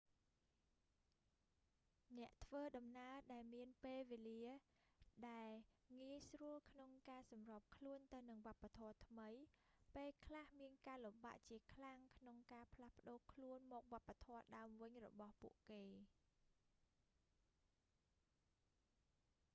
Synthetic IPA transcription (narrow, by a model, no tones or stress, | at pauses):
nɛ̆əʔt̪ʰʋəːɗɑmnaəɗaɛlmiənpeːlʋeːliə | ɗaɛlŋiəjsruəlkʰnoŋkaːsɑmrɑːp̚kʰluənt̪ɨwnɨŋʋŏəpːat̪ʰɔət̪ʰməjpeːlkʰlahmiənkaːlumɓa̰ːʔt͡ɕiəkʰlaŋkʰnoŋkaːpʰlahpə̆ɗoːkʰluənmɔːk̚ʋŏəpːat̪ʰɔəɗaəmʋɨɲrɔ̰ɓɑhpṵəʔkeː